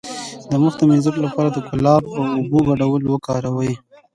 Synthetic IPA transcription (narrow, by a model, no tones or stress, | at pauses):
d̪əmʊxd̪əmizəklapɑɾad̪əkʊlɑbawʊbuɡaɖawəlowəkɑɾawəji